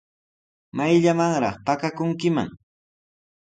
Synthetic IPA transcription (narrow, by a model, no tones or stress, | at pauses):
majʎamaŋɾɑ̰χpakakʊŋkɪma̰ŋ